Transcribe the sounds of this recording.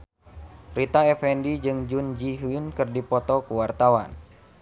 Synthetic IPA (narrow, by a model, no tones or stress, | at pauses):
rit̪aɛfɛndid͡ʒɨŋd͡ʒund͡ʒiɦuinkɨrdipɔt̪ɔkuwart̪awa̰n